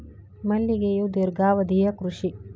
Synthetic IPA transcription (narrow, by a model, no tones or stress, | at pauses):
mɐlːiɡejud̪iɾɡaːʋɐd̪ijɐkɾuʂi